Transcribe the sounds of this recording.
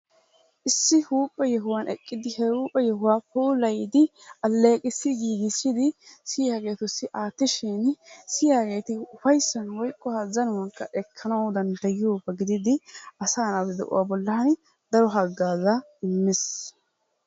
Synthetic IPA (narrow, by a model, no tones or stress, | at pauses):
ʔɪsːɪhuːpʼːɛjɛɦʊwaːnʔɛkʼːɪd̪ɪhɛɾuːpʼːɛjɛhʊwaːpuːlɐjd̪ɪʔɐlːeːkʼɪsːɪɡiːɡɪsɪd̪ɪsɪjaːɡe̞ːt̪ʊsːɪʔaːt̪ːɪʃɪnsɪjaːɡe̞ːt̪ɪʊfɐjsːɐnwɔjkʼːɔhazɐnʊwɐnkːɐʔɛkʰːɐnɐwd̪ɐnd̪ɐjɪuːpːɛɡɪd̪ɪd̪ɪʔɐsaːnawɛd̪ɛ̰ʔʊ̰waːbɔlːɐhɐn | d̪ɐɾɔɦɐɡːaːzɐ | ɪmːɪs